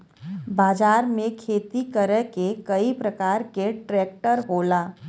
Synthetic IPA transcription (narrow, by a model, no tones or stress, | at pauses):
baːd͡ʒaːɾmẽkʰeːt̪ikəɾəkekɐipɾɐkaːɾkeʈɾɛːk̚ʈəɾboːlaː